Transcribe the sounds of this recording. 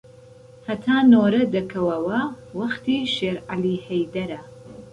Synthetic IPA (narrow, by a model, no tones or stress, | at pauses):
hɐt̪ʰaːnoːɾɐd̪ɐkʰɐwɐwɐ | wɐxt̪iːʃeːɾʔaliːhɐjd̪ɐɾɐ